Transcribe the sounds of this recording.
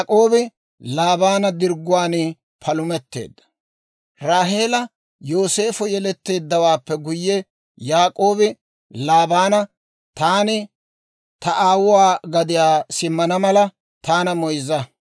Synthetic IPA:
kʼo̞ːbɪ | laːbaːnɐd̪ɪɾɡʊwaːnɪ | pʰɐlʊmɛt̪ːe̞̰ːd̪ːɐ̥ | ɾaːɦe̞ːlɐ | jo̞ːse̞ːfʊjɛlɛt̪ːe̞ːd̪ːɐwaːpːɛɡʊjːɛ | jaːkʼo̞ːbɪ | laːbaːnɐ | t̪aːnɪ | t̪ɐʔaːwʊwaːɡɐd̪ɪjaːsɪmːɐnɐmɐlɐ | t̪aːnɐmɔjzɐ

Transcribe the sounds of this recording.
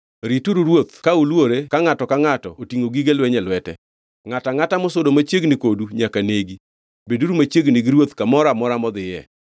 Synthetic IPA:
ɾituɾuɾwot̪̚kaulwoɾekaŋatɔkaŋatɔ̰otiŋoɡiɡelwɛɲɛlwɛtɛ̰ | ŋataŋatamɔsodomat͡ʃjeɡnɪkoduɲakaneɡi | beduɾumat͡ʃjeɡnɪɡiɾwot̪kamɔɾamɔɾamɔd̪ɪjɛ̰

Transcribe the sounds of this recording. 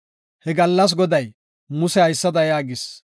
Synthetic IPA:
hɛɡɐlːɐs̬ɡɔd̪ɐj | mʊsɛhɐjsːɐd̪ɐjaːɡɪs

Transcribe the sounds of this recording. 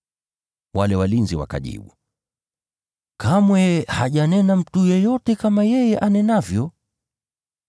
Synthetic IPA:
walɛwalinziwa̰ka̰ʄḭɓṵ | kʰamwɛhaʄanɛnam̩tujɔjɔtɛkamajɛjɛʔanɛnavjɔ

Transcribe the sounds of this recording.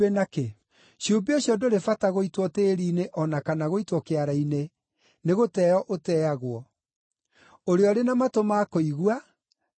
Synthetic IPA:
enake | ɕombeoɕjɔdoɾefataɣoitwɔteːɾiːneʔɔnakanaɣoitwɔkeaɾaine | neɣotɛɔʔotɛːaɣwɔ | oɾeɔɾenamatomakoiɣwa

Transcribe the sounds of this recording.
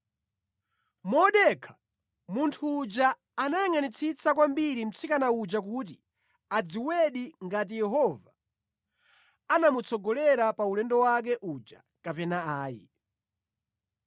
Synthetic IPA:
mɔɗɛkʰḁ | muntʰuːd͡ʒaː | najaŋanit͡sʰit͡sak̬wambiɾim̩t͡sʰikanaud͡ʒak̬ut̬i | ad͡ziwɛɗiŋɡat̬ijɛɦɔva | anamut͡sʰɔɡɔlɛɾapaulɛndɔwak̬ɛʔud͡ʒa̰ | kapɛnaaːjḭ

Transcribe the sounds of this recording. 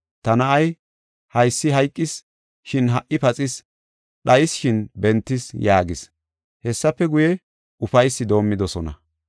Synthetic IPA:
t̪ɐnɐʔɐj | hɐjsːɪɦɐjkʼːɪs | ʃɪnɦɐʔʔɪpɐt͡sʼɪs | ɗɐjɪsʃɪnbɛnt̪ːɪsjaːɡɪs | hɛsːɐpːɛɡʊjɛ | ʊfɐjsːɪd̪o̞ːmːɪd̪ɔsɔnɐ̰

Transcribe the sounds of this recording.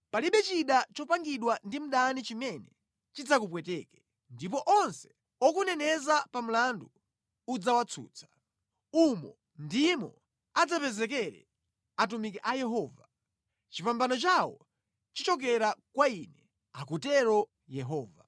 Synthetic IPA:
paliɓɛt͡ʃiɗat͡ʃɔpaŋɡiɗwandim̩ɗanit͡ʃimɛnɛ | t͡ʃid͡zakup̬wɛtɛːkɛ̥ | ndipɔʔɔnsɛ̥ | ɔkunɛnɛzapam̩landuː | d͡zawat͡sʰṵːt͡sʰḁ | umɔ | ndimɔ̰ | ad͡zapɛzɛkɛɾɛ̰ | atumikɛʔajɛɦɔːva | t͡ʃipambanɔt͡ʃawɔ̰ | t͡ʃit͡ʃɔk̬ɛɾakwainɛ | akutɛɾɔ | jɛɦɔːva

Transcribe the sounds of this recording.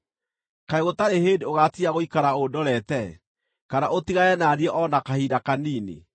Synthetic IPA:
kaeɣotaɾehedeoɣatiaɣoikaɾaodɔɾɛtɛ | kanaʔotiɣaɛnaniɛʔɔnakahiːdakaniːnḛ

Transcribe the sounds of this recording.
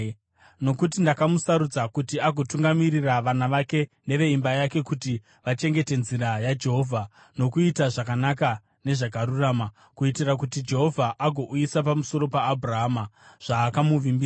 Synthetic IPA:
no̞kut̬indakamusaɾud͡zakutiaɡʱo̞tuŋɡamiriraʋanaʋake̞ne̞ʋe̞imbajake̞kuti | ʋat͡ʃe̞ŋɡe̞te̞nziɾajad͡ʒe̞ɦo̞vʱa | no̞kuitaʐakanaka | ne̞ʐak̬aɾurama | kuitirak̬utid͡ʒe̞ɦo̞vʱaʔaɡʱo̞ʔujisapamuso̞ɾo̞paːbʱuraɦamaʐ̥aːkamuʋimbia

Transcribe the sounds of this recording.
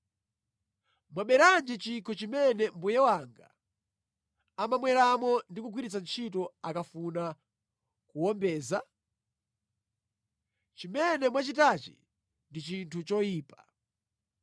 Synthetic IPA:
mwaɓɛɾand͡ʒɛt͡ʃikʰɔt͡ʃimɛnɛmbujɛwaŋɡa̰ | amamwɛɾamɔndikuɡwiɾit͡sant͡ʃʰit̬ɔakafuna | kuwɔmbɛːza | t͡ʃimɛnɛmwat͡ʃitat͡ʃḭ | ndit͡ʃintʰut͡ʃɔjiːpḁ

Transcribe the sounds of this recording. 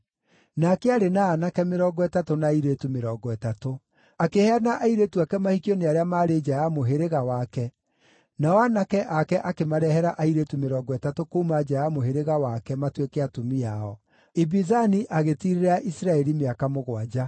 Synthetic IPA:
nakɛaɾenaːnakɛmeɾɔːɡɔɛtatonaiɾetumeɾɔːɡɔɛtato | akehɛanaʔaiɾeːtuakɛmahikioneaɾeamaɾeːd͡ʒajamoɦeɾeɣawakɛ | nawanakɛʔakɛʔakemaɾɛhɛɾaʔaiɾetumeɾɔːɡɔɛtatokoumad͡ʒajamoɦeɾeɣawakɛmatwekɛatomiaɔ | ibizaniʔaɣetiɾeɾaʔisɾaɛɾimeakamoɣwad͡ʑa

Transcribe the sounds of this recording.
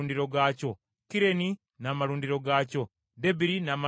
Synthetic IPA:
ndiɾo̞ɡaːco̞ | kiɾe̞ni | namaɾuːndiɾo̞ɡaːco̞ | debiɾinaːma

